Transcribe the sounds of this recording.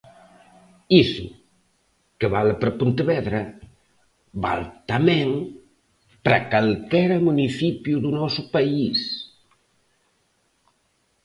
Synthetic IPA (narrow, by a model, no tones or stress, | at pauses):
isṵ | keβalpɾɐpunt̪əβɛðɾɐ | ba̰lt̪amɛ̃ŋ | pɾakalkɛɾɐmuniθipjuðunɔsupais